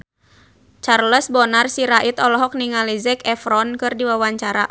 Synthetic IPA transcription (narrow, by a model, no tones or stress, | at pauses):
t͡ʃarləsbɔnarsiɾaʔit̪ɔlɔɦɔk̚niŋalizɛkɛfɾɔnkɨrdiwawaɲt͡ʃaɾa